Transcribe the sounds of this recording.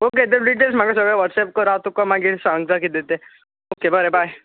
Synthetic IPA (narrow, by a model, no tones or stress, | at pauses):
oked̪eɖiʈ̬elsmaɡas̬əɡɭaʋəʈsɛp̚koɾat̪ukomaɡisãŋɡd͡zakid̪et̪e | okebəɾebʱaj